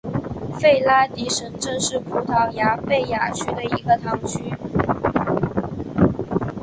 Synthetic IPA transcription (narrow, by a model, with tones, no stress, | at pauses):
fe˥˩ɪla˥t̪i˧˥ʂə˧˥ŋʈ͡ʂɤ˥˧ŋʂɻ̩˥˩pʰu˧˥t̪ʰɑ˧˥ʊja˧˥pe˥˩ɪja˨˩t͡ɕʰy˥d̪ə˨i˧˥ɡə˧t̪ʰɑ˧˥ŋt͡ɕʰy˥